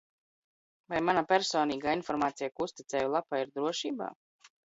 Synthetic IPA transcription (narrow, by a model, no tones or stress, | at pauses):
vajmanapʲɛɾsoːniːɡaːinfɔɾmaːt̪sijakuust̪it̪sɛːjulˠapaːiɾd̪ɾuɔʃiːba̰ː